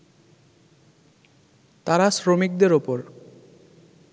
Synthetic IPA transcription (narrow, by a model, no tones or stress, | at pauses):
t̪aɾasɾomik̚d̪eɾopoɾ